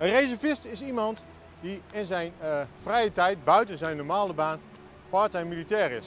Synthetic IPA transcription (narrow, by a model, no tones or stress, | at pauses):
ənrejzɛɹvɪstɪsimɑnt | diɪnzɛjnfrɛjətɛjt̚bœɥtənzɛjnɔɹmaːləbaːn | pɑɹtɛjmilitɛːɹɪs